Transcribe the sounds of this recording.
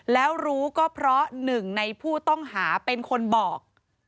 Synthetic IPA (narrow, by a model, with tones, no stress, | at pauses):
lɛː˦˥wɾuː˦˥kɔː˥˩pʰɾɔ˦˥nɯ˨˩ŋna˧jpʰuː˥˩t̪ɔ˥˩ŋɦaː˩˦pe˧nkʰo˧nbɔː˨˩k̚